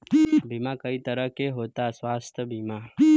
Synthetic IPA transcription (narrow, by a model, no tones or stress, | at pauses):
bʱimãkəit̪əɾəkeɦot̪asʋast̪ʰəbʱima